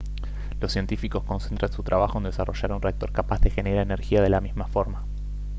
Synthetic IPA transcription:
losːje̞nt̪ifiko̞sko̞nsent̪ɾansut̪ɾaβaxoond̪esaro̞ʒaɾunreak̚t̪o̞ɾkapazðe̞xe̞neɾaene̞ɾxiaðe̞lamizmafo̞ɾma

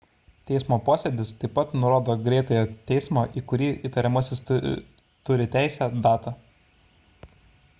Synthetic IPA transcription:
t̪ʲɛɪsmoːpoːsʲɛd̪ʲɪst̪ɐɪpːɐt̪nʊɾoːd̪oːɡɾʲɛˑɪt̪ɐjoːt̪ʲɛɪsmoːʔiːkʊɾʲiːiːt̪ɐɾʲɛmɐsʲɪst̪ʊ̰ | t̪ʊɾʲɪt̪ʲæˑɪsʲæːd̪ɑːt̪ɑ

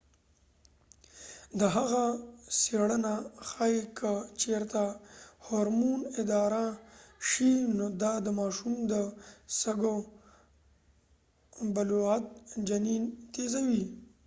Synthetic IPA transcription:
d̪əɦaɣaseɽənaxaikʰət͡ʃeɾt̪ahoɾmunɪd̪ɑɾaʃinod̪ɑd̪əmɑʃumd̪əsaɡo | baloat̪̚d͡ʒanint̪ezawi

